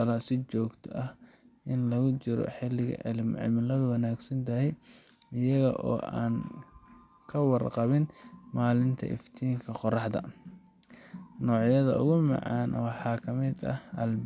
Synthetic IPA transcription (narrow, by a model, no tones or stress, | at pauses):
ɐlɐsɪt͡ʃɔːɡt̪ʰɔʔɐh | ʔɪnlɐɣʊt͡ʃɪɾɔ̰ħɪlɪɣɐ̰ʕɪlmʕɪ̰mɪlɐðʊwɑnaːɡsɐnt̪ʰɐɦɛj | ɪjɐɣɐ̰ʔɔ̰ːʔa̰ːn | kʰɐwɑrqɑβɪnmaːlɪnt̪ʰɐ̰ʔɪ̰ft̪ʰiːŋkʰɐqɔrɑħd̪ɐ̰ | nɔːʕjɐðɐ̰ʔʊ̰ɣʊmɑ̰ʕɑ̰ːnʔɔwħɑːkʰɐmɛːd̪ɐ̰hɐl